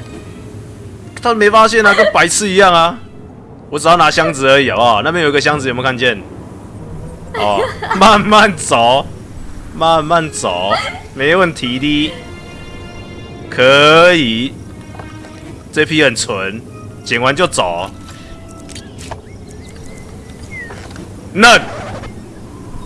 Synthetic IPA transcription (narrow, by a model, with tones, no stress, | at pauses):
t̪ʰa˥˨mẽ˨˦ɪfa˦ɕɛ˥˨na˧kə˦npa˨˦ɪt͡s̩ʰ˥˧˨i˧˦ja˥˨ŋa˨ | wɔ˨˦t͡sna˨˦ɕja˦ŋd͡zɹ̩˨ə˨˦i˨a˨˩a˨˩˦na˥˧p̬ʰjji˧ɡə˧˩ɕja˦ŋd͡z̩˨jo˨˩m˨˧˥kʰa˥˧nt͡ɕjɛ˥˨n | ɔ˨ma˥˨nma˥˨nt͡sa˨˦ | ma˥˧˨nma˥˨nt͡sa̰˨˦mẽ˨˦ɪ˨˦wə˥˨nt̪ʰi˨˦ɾi˦ | kʰə˨˦i˨˩ | t͡se˦˧pʰi˦hə˨˩nt͡sʰə˨˦n | t͡ɕjɛ˨˦nwa˨˦nt͡ɕjo˥˩ʊt͡sa˨˩˦ | nə˥˨n